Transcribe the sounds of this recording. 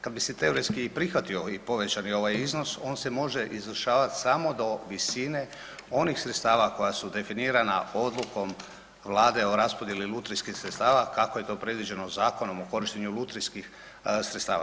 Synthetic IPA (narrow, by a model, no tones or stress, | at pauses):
kad̪biset̪e̞oɾejskiːpɾixʋat̪io̞ipo̞ʋe̞t͡ɕanio̞ʋajizno̞so̞ːnse̞mo̞ʒe̞ʔizʋər̩ʃaːʋat̪i̥samo̞d̪o̞ʋisine̞ | o̞nixsɾet̪st̪aːʋako̞jasud̪e̞finiːɾana̰o̞d̪lˠuko̞m | ʋlaːd̪e̞o̞ɾaspo̞d̪jelilut̪ɾiskixsɾet̪st̪aːʋakako̞je̞t̪o̞pɾe̞d̪ʋid͡ʑe̞no̞zaːko̞no̞moko̞ɾiʃt̪eɲulut̪ɾiskix | sɾet̪st̪a̰ːʋa̰